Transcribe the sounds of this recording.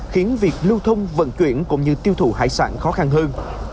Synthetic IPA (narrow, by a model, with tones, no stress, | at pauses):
xi˨˦ənvi˨˩ək̚lu˧wt̪ʰə˧wŋ͡mvə̰˧˥nt͡ɕwḭ˧˩ənkʊ̰˧˨wŋ͡mɲɨ˧t̪i˧əwt̪ʰu˧˩ha̰ː˧˩jsa̰ː˧˩nxɔ˨˦xa˧nɦəː˧n